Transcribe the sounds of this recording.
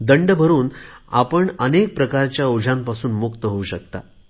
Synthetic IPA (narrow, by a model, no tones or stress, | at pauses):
d̪əɳɖbʱəɾuːna̰pəɳənek̚pɾəkaɾt͡ɕjaod͡ʑʱãmpasuːnmukt̪əɦouɕək̚t̪a̰